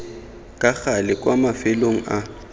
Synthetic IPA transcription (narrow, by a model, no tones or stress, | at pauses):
kʼaɣalɪkʼwamafɪloŋ̩a